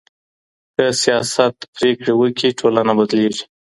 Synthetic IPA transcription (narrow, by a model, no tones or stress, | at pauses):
kəsijɑsat̪pɾekɽewəkiʈʰolanabad̪leʒi̥